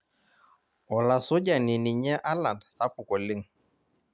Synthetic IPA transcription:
ɔ˨la˨sʊ˦ɟa˨ni˨ni˨ɲɛ˦ʔa˦la˨ndsa˦pʊ˨kɔ˨lɪ˦ŋ

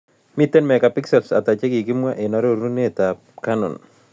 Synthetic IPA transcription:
mi˦tːe˦nmɛ˨ka˨pi˦ksɛ˨lsa̰˨ta˨t͡ʃe˦kɪ˨ki˦mwa˦ʔena˨˦ɾoɾu˦ne˦ta | kanɔ̰˨n

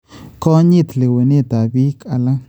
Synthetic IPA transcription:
ko˦ɲi˦t̪le˨we˨ni˦t̪a˨bi˦kʼa˨la˦

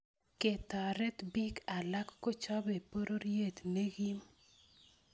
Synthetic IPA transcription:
ke˨t̪a˨ɾɛ˦t̪bi˦ka˨la˦kːo˦t͡ʃa˦be˨po˦ɾʔo˦ɾje˦˨t̪ne˦ɡi˦m

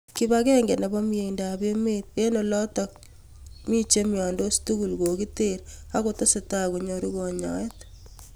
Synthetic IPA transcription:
ki˦ba˦kɛ˦ŋɡe˨nɛ˨bɔ˦mi˦je˨inda˨be˦me˦t̚e˦nɔ˨lɔ˦tɔ˨k̚ | mi˦t͡ʃe˦mjɔ˨ndo˦stu˦ku˨lko˨ki˦te˦ɾa˦ko˦to˦se˨ta˦ku˨ɲoɾi˦ko˨ɲɔ̰˨ɛ˦t

